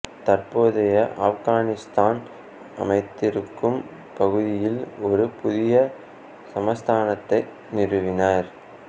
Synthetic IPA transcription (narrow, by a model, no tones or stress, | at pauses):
t̪ɐrpoːðɐjɐʔɐfɣaːnɪst̪aːn | ɐ̰mɐɪt̪ːɪɾɯkːɯm | pɐɣɯðɪjɪlɔɾɯpʊðɪjɐ | sɐmɐst̪ʰaːnɐt̪ːɐɪ | nɪrɯʋɪnaːɾ